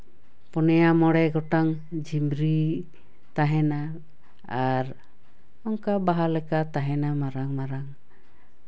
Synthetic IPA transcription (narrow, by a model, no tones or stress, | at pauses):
pɔnɛjamɔɽɛɡɔʈaŋ | d͡ʒimɾi | t̪aɦɛna | aɾ | ɔŋkabaɦalɛkat̪aɦɛnamaɾaŋmaɾaŋ